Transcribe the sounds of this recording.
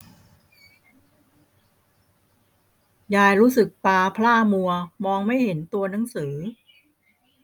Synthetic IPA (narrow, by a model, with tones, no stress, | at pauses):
jaː˧jɾuː˦˥sɯ˨˩k̚paː˧pʰlaː˥˩mu˧ɐmɔː˧ŋma˥˩jɦe˩˦nt̪u˧ɐna˩˦ŋsɯː˩˦